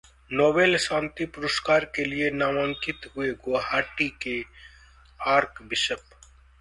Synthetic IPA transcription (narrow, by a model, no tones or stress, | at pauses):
noːbeːlʃãːnt̪ipʊɾəskaːɾkelienaːmə̃ŋkɪt̪ɦʊeɡoːɦaːʈike | aːɾkbɪʃəp